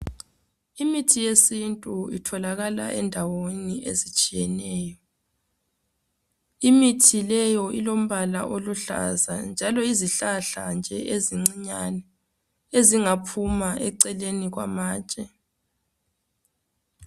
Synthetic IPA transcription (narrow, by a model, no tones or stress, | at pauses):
imitʰijesintʼuḭtʰɔlaɣala̰ʔɛndʱawoniʔḛzit͡ʃʼijɛnɛːjɔ | imitʰilɛjɔilom̩βala̰ʔoluɬa̰za̰nd͡ʒʱalɔiziɬaɬand͡ʒʱɛʔeziŋ͡ǀiɲanɛ | eziŋapʰumaʔɛǀɛleniɣwa̰maːt͡ʃʼɛ